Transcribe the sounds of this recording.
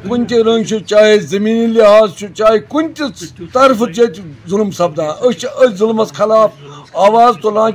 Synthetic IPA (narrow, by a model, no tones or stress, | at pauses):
kunʲt̪ʲiɾɐ̃ŋɡt͡ʃʰut͡ʃaːɦezɐmiːniliɦaːzt͡ʃʰut͡ʃaːɦikunʲt̪ʲit̪ɐɾfɨt̪jet̪ʲzulmsɐb̚d̪ãːʔət͡ʃəzulmɐt͡skʰɐlaːfaːʋaːzt̪olãː